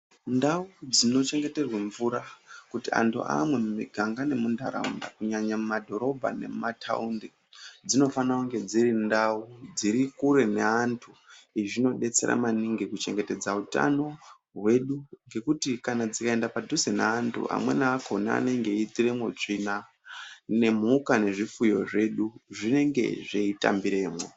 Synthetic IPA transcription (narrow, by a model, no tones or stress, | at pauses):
ndaud͡zino̞t͡ʃe̞ŋɡe̞te̞rweɱvuɾakutia̰ntʰṵʔa̰mwe̞mumiɡʱaŋɡane̞munda̰ɾa̰unda̰kuɲaɲamumadʱo̞ɾo̞bʱa̰ne̞̰mmatʰa̰unde | d͡zino̞fanauŋɡe̞d͡ziɾindaud͡ziɾikuɾe̞ne̞antʰuiʐino̞ɗe̞t͡se̞̰ɾa̰maniŋɡikut͡ʃe̞ŋɡete̞d͡zauta̰no̞ | ɦwe̞ɗuŋɡe̞kutikanad͡zikae̞ndapadʱusenḛantʰṵa̰mwe̞̰naːkʰo̞na̰ːneŋɡe̞itiremwoʐina | ne̞m̤ukane̞ʐifujo̞ʐe̞ɗuʐine̞ŋɡe̞̰ʐeita̰mbiɾe̞ːmwo